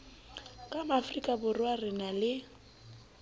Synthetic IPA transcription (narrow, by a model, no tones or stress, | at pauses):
kʼamafrikʼabʊrɪwarɪnalɪ